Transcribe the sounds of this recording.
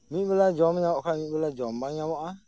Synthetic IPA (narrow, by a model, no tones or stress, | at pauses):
mibəlad͡ʒɔmɲakamĩbəlad͡ʒɔmbaŋɲãmɔʔa